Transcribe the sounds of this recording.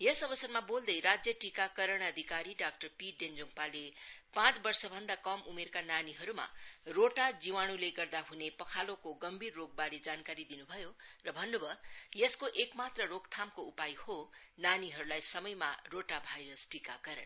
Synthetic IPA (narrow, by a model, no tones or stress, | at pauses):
jʌsʌbʌsʌrmabold̪ʌjɾad͡zjʌʈikakʌɾʌɽ̃ʌd̪ʱikaɾiɖak̚ʈʌrpiɖend͡zoŋpalepãt͡sbʌrsʌbʱʌnd̪akʌmumerkananiɦʌɾuma̰roʈad͡ziwaɽ̃uleɡʌrd̪aɦunepʌkʰalokoɡʌmbʱirːoɡ̚baɾed͡zankaɾid̪inubʱʌjorʌbʱʌnːubʱʌjʌskoʔekmat̪rʌroɡt̪ʰamkoupajhonaniɦʌɾulajsʌmʌjmaroʈabʱajɾʌsʈika̰kʌɾʌɳ